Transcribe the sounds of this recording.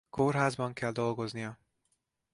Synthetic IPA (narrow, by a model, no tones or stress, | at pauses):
korɦaːzbɒŋkɛld̪o̞lɡo̞znijɒ